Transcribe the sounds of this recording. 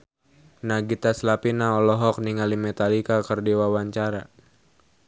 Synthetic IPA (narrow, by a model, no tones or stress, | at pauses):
naɡit̪aslapinaɔlɔɦɔk̚niŋalimɛt̪alikakərdiwawaɲt͡ʃaɾa